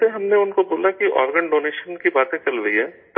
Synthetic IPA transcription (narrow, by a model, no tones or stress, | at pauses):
eɦɐmneʊnkoboːlakiʔɔ̰ːɾɡəɳɖoːneːʃənkibaːt̪ẽkɐlliɦɛː | t̪